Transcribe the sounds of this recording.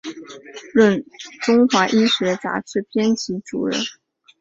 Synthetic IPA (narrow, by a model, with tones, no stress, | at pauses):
ɻə˥˩nʈ͡ʂʊ˥ŋxwa˧˥ʔi˥ɕɥɛ˧˥t͡sa̰˧˥ʈ͡ʂʰɻ̩˥pʰjɛ˥nt͡ɕʰi˧˥ʈ͡ʂṵ˨˩ɻə̰˥n